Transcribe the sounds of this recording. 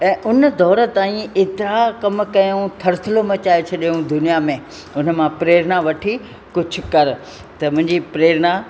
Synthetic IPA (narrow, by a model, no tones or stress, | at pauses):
ɛ̃ːʔʊnəd̪ɔːɾə̆t̪aːĩet̪ɪɾakɐm̆kɐjõt̪ʰɐɾt̪ʰɪlomẽt͡ɕaːet͡ɕʰɐɗijũd̪ʊnijamẽː | ʊn̤ə̆mãpɾeːɾnaʋɐʈʰi | kʊd͡ʑʱʊ̆kɐɾ | t̪ɐmʊ̃ɦɪ̃ɲd͡ʑipɾeːɾna